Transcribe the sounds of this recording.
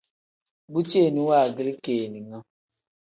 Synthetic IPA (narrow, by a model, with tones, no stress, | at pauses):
bu˦t͡ʃe˦˨ni˨˦wa˦˨ɡli˦keː˨ni˨ŋɔ̃˦